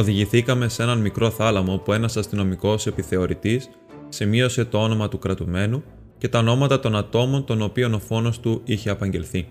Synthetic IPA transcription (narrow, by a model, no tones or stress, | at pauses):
o̞ðiʝiθikɐme̞se̞nɐnmikɾo̞θɐlɐmo̞pue̞nɐsɐst̪ino̞miko̞se̞piθe̞o̞ɾit̪isː | imio̞se̞t̪o̞o̞no̞mɐt̪ukɾɐt̪ume̞nu | ce̞t̪ɐono̞mɐt̪ɐt̪o̞nɐt̪o̞mo̞nt̪o̞no̞pio̞no̞fo̞no̞st̪uiçe̞ɐpɐɲɟe̞lθi